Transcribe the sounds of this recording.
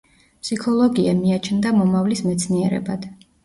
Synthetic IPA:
pʰsikʰɔlˠɔɡiamiat͡ʃʰnd̪amɔmavlismɛt̪sʰniɛɾɛ̰bad̪̥

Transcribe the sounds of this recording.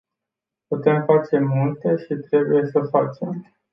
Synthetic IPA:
put̪e̞mfat͡ʃe̞mult̪e̞ʃit̪ɾe̞buje̞səfat͡ʃe̞m

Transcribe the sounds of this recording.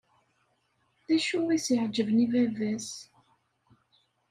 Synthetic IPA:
ðæʃuwisiʕd͡ʒəvnivævæs

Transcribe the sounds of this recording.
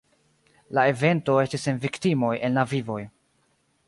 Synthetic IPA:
lae̞ve̞nto̞e̞stisenviktimo̞jʔe̞nlavivo̞j

